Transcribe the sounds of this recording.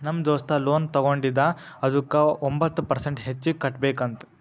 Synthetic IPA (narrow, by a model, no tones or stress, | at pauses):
nɐmːd͡ʒoːst̪ɐloːnt̪ɐɡoɳɖid̪ɐ | ɐd̪ukːɐombɐt̪ːupɐɾseɳʈɦet͡ʃːikːɐʈbeːkɐnt̪u̥